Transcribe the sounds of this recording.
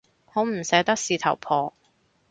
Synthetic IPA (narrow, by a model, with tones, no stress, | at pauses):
ho˨˥m̩˨˩sɛː˨˧˥t̪ɐ˥k̚siː˨˧t̪ʰɐ˨˩wpʰɔː˧